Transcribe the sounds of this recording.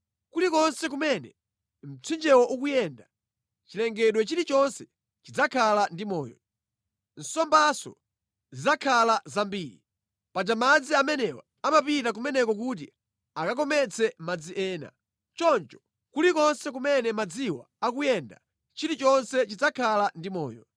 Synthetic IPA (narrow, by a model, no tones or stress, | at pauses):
kulikɔnsɛk̬umɛnɛ | m̩t͡sʰwind͡ʒɛwɔʔuk̬ujɛnda | t͡ʃilɛŋɡɛɗwɛt͡ʃiɾit͡ʃɔnsɛ | t͡ʃid͡zakʰalandimɔːjɔ̰ | n̩sɔmbasɔ̰ | zizakʰalazambiːɾḭ | pat͡ʃamad͡ziamɛnɛwɔ | amapitakumɛnɛkɔk̬ut̬ḭ | akak̬ɔmɛt͡sʰɛmad͡ziʔɛːna̰ | t͡ʃɔnt͡ʃɔ̥ | kulikɔnsɛk̬umɛnɛmad͡ziwa̰ | ak̬ujɛnda̰ | t͡ʃiɾit͡ʃɔnsɛt͡ʃid͡zakʰalandimɔ̰ːjɔ